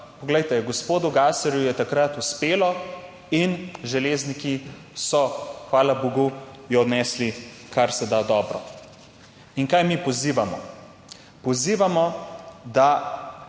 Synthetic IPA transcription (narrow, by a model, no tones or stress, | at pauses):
pɔɡlɛjt̪ɛɡɔspoːd̪uɡaːsɛɾjujɛt̪akɾat̪uspeːlɔ | inʒɛleːzniki | sɔxʋaːlaboɡujɔɔd̪nɛːsli | kaɾsɛd̪ad̪ɔːbɾɔ | iŋkajmipɔziːʋamɔ | pɔziːʋamɔd̪a